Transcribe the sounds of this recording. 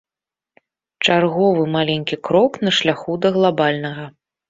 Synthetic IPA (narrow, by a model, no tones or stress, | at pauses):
t͡ʂarɣɔvɨmalʲenʲkʲikɾɔknɐʂlʲaxud̪ɐɣlˠabalʲnɐɣɐ